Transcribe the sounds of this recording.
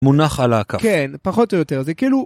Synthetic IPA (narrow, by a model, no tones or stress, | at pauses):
munaχalakakɛnpaχɔt̪ojot̪ɛʁzɛkilu